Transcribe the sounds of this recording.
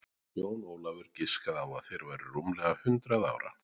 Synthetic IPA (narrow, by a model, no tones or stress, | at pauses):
joːwnɔːwlavʏɾ̥cɪskaðawaðθejɾvajɾʏɾumlɛɣahʏnt̪ɾaða̰ːwɾa̰